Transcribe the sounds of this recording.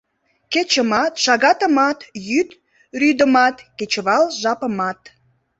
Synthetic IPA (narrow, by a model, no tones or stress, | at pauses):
ket͡ɕəmɑt̪ʃɑɣɑt̪ə̆mɑt̪jyt̪ | ryd̪əmɑt̪ket͡ɕəβɑlʒɑpə̆mɑt̪